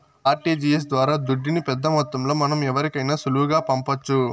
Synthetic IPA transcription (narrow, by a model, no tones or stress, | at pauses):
aːɾʈiːd͡ʒiːjes̬d̪ʋaːɾaːd̪uɖːinipɛd̪ːɐmɐt̪ːɐmlo̞ːmɐnɐmɛʋɐɾikɐjnaːsuluʋuɡaːpɐmpɐt͡ʃːu